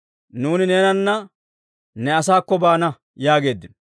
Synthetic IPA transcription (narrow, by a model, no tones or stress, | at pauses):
nuːnɪneːnɐnːɐ | nɛɐsaːkːɔbaːnɐ | jaːɡe̞ːd̪ːɪn